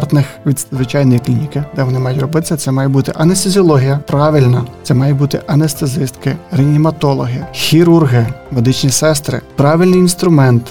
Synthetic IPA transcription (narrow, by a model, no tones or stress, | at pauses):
rt̪nɪxʋʲid̪zʋɪt͡ʃɑjnɔjiklʲinʲikɪd̪ɛʋɔnɪmɑjʊtʲrɔbɪt̪ɪ̥sʲɐt̪sɛmɑjɛbut̪ɪʔɐnest̪ezʲiɔlˠɔɦʲijɐpɾɑʋɪlʲnɐt̪sɛmɑjʊbut̪ɪʔɐnest̪ezɪst̪kɪɾɪnʲimɐt̪ɔlˠɔɦɪjxʲiɾurɦɪmed̪ɪt͡ʃnʲisɛst̪ɾɪ̰pɾɑʋʲɪlʲnɪjinst̪ɾʊmɛnt̪